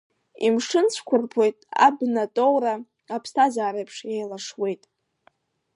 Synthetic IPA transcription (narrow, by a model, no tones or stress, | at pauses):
imʂɨnt͡ɕʷʰkʷʰʊrpʰo̞jtʼa̰bnatʼowɾa | apʰstʰazaːɾejpʰʂjejlaʂwe̞jtʼ